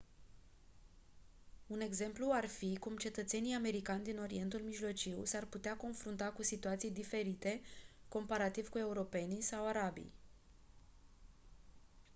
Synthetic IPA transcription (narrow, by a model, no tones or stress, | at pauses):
une̞ɡze̞mpluarfikumt͡ʃe̞t̪ət̪se̞nijame̞ɾikanʲd̪ino̞ɾie̞nt̪ulmiʒlo̞t͡ʃiwsarput̪eako̞nfɾunt̪akusit̪uat̪sijd̪ife̞ɾit̪e̞ko̞mpaɾat̪iv̥kue̞uɾo̞pe̞nisawaɾabḭj